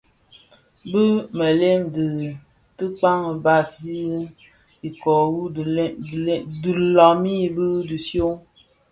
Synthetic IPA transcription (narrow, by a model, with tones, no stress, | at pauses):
bɨ˦mə˨le˦mdɨ˨ | tɨ˦k͡pa˦ŋə˨ba˦si˦ | i˨kɔ˨wu˦˨˦dɨ˨lɔ˨mi˦˨bɨ˦dɨ˨sjo˦ŋ